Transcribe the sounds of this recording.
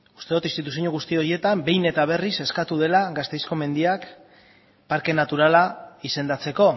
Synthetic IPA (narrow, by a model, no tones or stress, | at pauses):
u̥st̪eut̪inst̪it̪us̬ioɲuɣust̪io̞ɾje̞t̪ambe̞jne̞t̪aβ̞e̞rise̞skat̪uðe̞laɣast̪ejsko̞me̞nd̪iak | paɾke̞nat̪uɾalaise̞nd̪at͡se̞ko̞